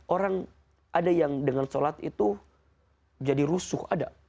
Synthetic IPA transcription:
oɾaŋ | ʔadajaŋdəŋansolat̪ḭt̪u | d͡ʒadiɾusʊhada

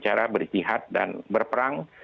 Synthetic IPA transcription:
t͡ʃaɾabərd͡ʒiɦat̪̚da̰nbərpəɾaŋ

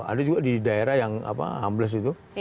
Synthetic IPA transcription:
a̰dad͡ʒuɡadidaeɾahjaŋa̰pa̰a̰mbləs̬it̪u

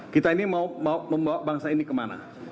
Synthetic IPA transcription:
kit̪ainimaumauməmbawabaŋsainikəmana̰

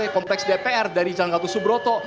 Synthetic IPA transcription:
ekɔmplɛksdepeɛrdaɾid͡ʒaŋɡat̪usubɾɔt̪ɔ

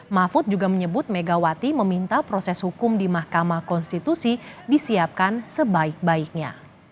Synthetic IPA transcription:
mafʊt̪̚d͡ʒuɡaməɲəbʊt̪̚meɡawat̪iməmint̪apɾɔsɛshukʊmdimahkamakɔnst̪it̪usidisiap̚kansəbaɪk̚baik̚ɲa̰

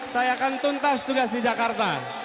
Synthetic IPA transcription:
sajakant̪unt̪ast̪uɡasdid͡ʒakart̪a

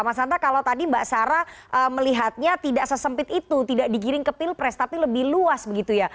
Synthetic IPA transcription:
amasant̪akalat̪adimbaʔsaɾaʔəːməliɦat̪̚ɲat̪idaʔsəsəmpɪt̪it̪ut̪idaʔdikiɾɪŋkəpɪlpɾɛst̪apiləbɪhluasbəɡit̪uja

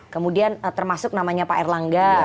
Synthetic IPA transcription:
kəmudiant̪ərmasʊk̚namaɲapaɛrlaŋɡa

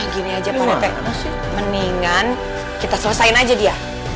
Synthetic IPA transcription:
ɡiniad͡ʒapaap̪ɛ | məniŋan | kit̪asələsaɪnad͡ʒadia

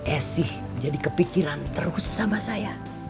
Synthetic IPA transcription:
ʔɛsɪh | d͡ʒadikəpikiɾant̪əɾʊsːamasaja

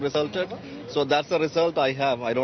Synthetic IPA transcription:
ɾɪzəlʈəɖ | soːd̪æʈsəɾɪzəlʈaɪɦæʋaɪɖõː

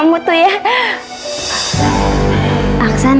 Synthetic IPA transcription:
mut̪uja | ʔaksan

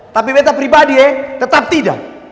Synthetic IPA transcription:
t̪apibet̪apɾibadiet̪ət̪ap̚t̪ida̰ʔ

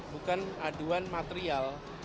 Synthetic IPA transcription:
bukanaduwanmat̪eɾial

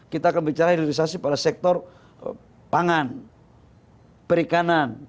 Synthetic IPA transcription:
kit̪aːkanbit͡ʃaɾaidiɾis̬asipadasɛk̚t̪ɔr | paŋan | pəɾikanan

